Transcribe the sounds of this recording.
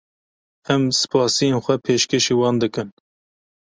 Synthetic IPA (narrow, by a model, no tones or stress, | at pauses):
ɛmsɨ̥pʰɑːsijeːnxʷɛpʰeːʃkeʃeːwɑːnd̪ɨkɨn